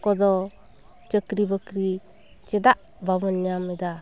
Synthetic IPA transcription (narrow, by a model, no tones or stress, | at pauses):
kɔd̪ɔ | t͡ʃəkɾibəkɾi | t͡ʃɛd̪aʔ | babənjamɛd̪a